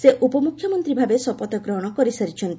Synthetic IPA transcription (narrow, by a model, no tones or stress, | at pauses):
seʔupɔmukʰjɔmɔnt̪ɾibʱabesɔpɔt̪ɔkɾɔɦɔɽ̃ɔkɔɾisaɾit͡ʃʰɔnt̪i